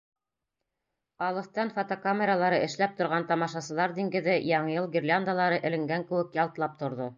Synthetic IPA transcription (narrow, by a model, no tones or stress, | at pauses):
ɑlˠɤ̆θt̪ɑnfot̪okamʲeɾalˠɑɾɤʔɘ̆ʃlæp̚t̪ŏɾʁɑnt̪ɑmɑʃɑsɤ̆lˠɑɾd̪ʲiŋɡɘ̆ðɘjɑɴɤjɤlˠɡʲirʲlʲand̪alˠɑɾɤʔɘ̆lɘ̆ŋɡæŋkɘ̆wɘ̆kjɑlˠt̪lˠɑp̚t̪ŏɾðo